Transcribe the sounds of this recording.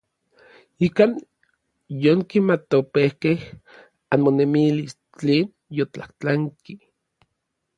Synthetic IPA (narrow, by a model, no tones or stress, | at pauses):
ikaːn | joŋkimat̪opehkeh | anmonemilis | t͡ɬeːn | jot͡ɬaht͡ɬaŋki